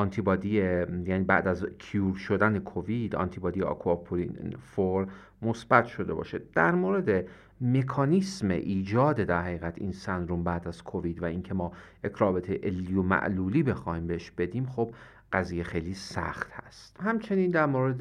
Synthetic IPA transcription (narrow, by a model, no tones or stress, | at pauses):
ʔɒnt̪ʰibɒːd̪ijejæːniːbæ̰ʔd̪æzkʰijuːɾʃo̞d̪ænekʰovid̪ɒ̰nt̪ʰibɒːd̪ijeʔɒ̰kʰuɒpʰoɾinfoɾ | mosbæt̪ʰʃo̞d̪e̞̰bɒ̰ːʃed̪̥æɾmoɾe̞d̪e | me̞kʰɒːnismḛʔiːd͡ʒɒːd̪ed̪æɾhæɣiːɣæt̪ʰḭːnsænd̪ɾombæːd̪æz̥kʰoviːd̪væiŋcʰe̞mɒː | ekʰɾɒːbet̪ʰejʔelːijomæ̰ʔluːliːbe̞xɒːhiːmbeheʃb̥e̞d̪iːmχob̚ | ɢ̥æziːjexe̞jliːsæ̰xt̪hæ̰st̪hæmt͡ʃʰe̞niːnd̪æɾmoːɾed̪